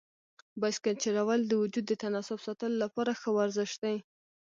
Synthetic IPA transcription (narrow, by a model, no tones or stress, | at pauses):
baskalt͡ʃeɾawald̪əwʊd͡ʒud̪ːət̪anɑsʊbsɑt̪əlolapɑɾaxəwaɾzɪʃd̪aj